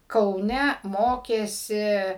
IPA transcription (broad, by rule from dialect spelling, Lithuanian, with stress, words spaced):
kɐʊˈnʲɛ ˈmoːkʲeːsʲɪ